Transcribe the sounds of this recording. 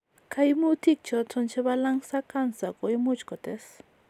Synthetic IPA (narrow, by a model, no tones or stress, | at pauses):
kʰajmut̪ik̚t͡ʃot͡sʰont͡ʃeβalaŋsakansakʼojmʊt͡ʃkot̪es